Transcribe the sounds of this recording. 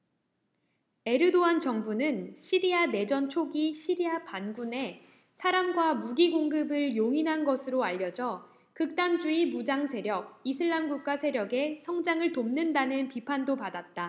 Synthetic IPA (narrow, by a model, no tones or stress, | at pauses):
e̞ɾɯdoant͡ɕʌŋbunɯnɕʰiɾiane̞d͡ʑʌnt͡ɕʰoɡiɕʰiɾiapanɡune̞ | sʰaɾamɡwamuɡiɡoŋɡɯbɯɭjoŋinɦanɡʌsʰɯɾoaʎːʌd͡ʑʌ | kɯk̚t͈and͡ʑuimud͡ʑaŋsʰe̞ɾjʌk̚isʰɯɭːamɡuk̚k͈asʰe̞ɾjʌɡe̞sʰʌŋd͡ʑaŋɯɭtomnɯndanɯnpipʰandopadat̚t͈a